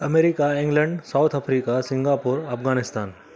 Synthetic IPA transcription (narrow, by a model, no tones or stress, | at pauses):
ɐmeːɾikaɪ̃ŋɡlə̃ɳɖsaʊt̪ʰɐpʰɾiːkasɪ̃ŋɡaːpʊːɾɐpʰɡaːnɪst̪aːn